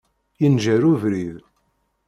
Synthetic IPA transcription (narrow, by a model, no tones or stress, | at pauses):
jənʒæɾuvɾið